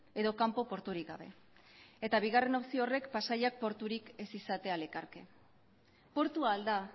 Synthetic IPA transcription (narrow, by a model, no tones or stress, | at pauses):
e̞ðo̞kampo̞po̞ɾt̪uɾikɡaβ̞e̞̰ | e̞t̪aβ̞iɣ̞are̞nawsiore̞kpasajak̚po̞ɾt̪uɾike̞sisat̪e̞ale̞kaɾke̞ | po̞ɾt̪uaːld̪a